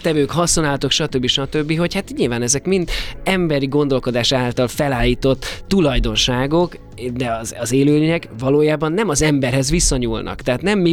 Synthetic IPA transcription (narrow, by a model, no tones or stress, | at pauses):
t̪ɛvøːkhɒsːo̞naːlt̪o̞kʃɒt̪øbːiʃɒt̪ø̞bːiɦo̞chat̪ɲilvaːnɛzɛkmind̪ɛmbɛɾiɡo̞nd̪o̞lko̞d̪aːʃaːlt̪ɒlfɛlaːlːiːt̪o̞t̪ːulɒjd̪o̞nʃaːɡo̞k | d̪ɛɒzɒzeːløːleɲɛkvɒloːjaːbɒnːɛmɒzɛmbɛrɦɛzʋisːɒɲuːlnɒ̰kt̪ɛɦːt̪nɛmːi